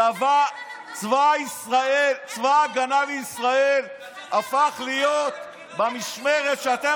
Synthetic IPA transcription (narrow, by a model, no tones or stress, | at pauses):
ava | t͡svaisʁaelt͡svaɡanaliisʁael | afaχlijot̪ | bamiʃmeʁet̪ʃeat̪e